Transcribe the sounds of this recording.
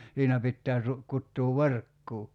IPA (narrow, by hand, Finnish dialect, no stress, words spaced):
siːnæ pitːæː tu kutːuː ʋerkːuː